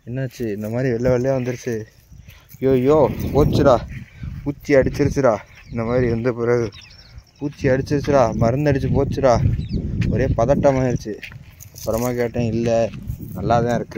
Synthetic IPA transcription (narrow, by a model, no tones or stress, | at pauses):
ɛnːɐːt͡ʃːɯɪnd̪ɐmaːd̪ɾiʋɛɭːɐʋɛɭːɐjaːʋɐnd̪ɯɾɯt͡ʃːɯ | joːjoːpoːt͡ʃːɯɾaːpuːt͡ʃːiɐɽɯt͡ʃːɪɾɯt͡ʃːɯɾaːɪnd̪ɐmaːd̪ɾiʋɐnd̪ɯpɪɾɐɣɯpuːt͡ʃːiɐɽɯt͡ʃːɪɾɯt͡ʃːɯɾaːmɐɾɐnd̪ɐɽt͡ʃːɯpoːt͡ʃːɯɾaː | ɔɾeːpɐðɐʈːɐmaːɪɽɯt͡ʃːɯɐpːɯɾɐmːaːkeːʈːẽɪlːɛnɐlːaːt̪ãːɪɾɯkːɯ